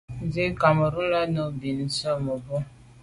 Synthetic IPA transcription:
zi˦ka˨mə˨ɾu˦la˦no˦bi˨n˨sɔ˦mo˨bɔ˦

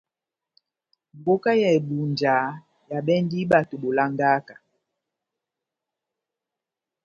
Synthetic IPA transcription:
m˨bo˦ka˦jɛ˨ɛ˨ɗu˨nd͡ʒa˨˦ | ja˨ɓɛ˦ndi˦ɓa˨to˨ɓo˨la˦ŋɡa˦ka˨

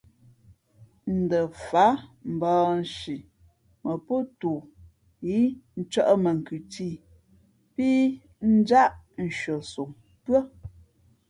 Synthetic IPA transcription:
n̩˨də˨fa˨˦m̩˨bɔː˨n̩˨ʃi˨ | mə˨po˦tu˨ | ji˨˦n̩˦t͡ʃɔ˦ʔmə˨ŋ̩˨kʉ˨tiː˦˨ | piː˦ | n̩˦d͡ʒa˦ʔn̩˨ʃɥə˨so˨ŋ | pɰə˦

